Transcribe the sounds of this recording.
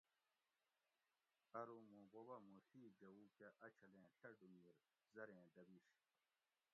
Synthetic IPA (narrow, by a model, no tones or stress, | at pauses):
ɐɾumũːɡobɐmuɬiːd͡ʑɐwukeʔɐt͡ɕʰɐlẽːɬʰɐɖumiɾ | zɐɾẽːd̪ɐbiːɕ